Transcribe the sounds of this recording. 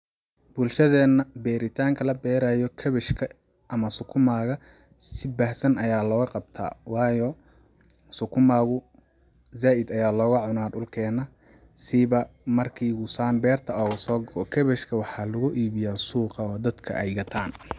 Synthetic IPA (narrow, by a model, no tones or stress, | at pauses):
b̥ʊlʃɐðɛːnɐbɛːɾɪt̪ʰaːŋkʰɐlɐbɛːɾaːjɔkʰɐβɛʃkʰɐ | ʔɐmɐsʊkʰʊmaːɣɐ | sɪbaːhsɐnɐjaːlɔːɣɐqɑb̚t̪ʰa̰ːwɑːjɔ | sʊkʰʊmaːɣʊ | zaːʔɪd̪ɐjaːlɔːɣɐʕʊnaːd̪ʊlkʰɛːnɐ | sɪβɐmɐrkʰiːɣʊsaːnbɛːrt̪ʰɐɔːɣɐsɔːɡɔkʰɐβɛʃkʰɐwɑħɑlʊɣʊʔiːβɪjaːsuːqɑɔːd̪ɐd̪kʰɐ̰ʔɐjɡɐt̪ʰaːn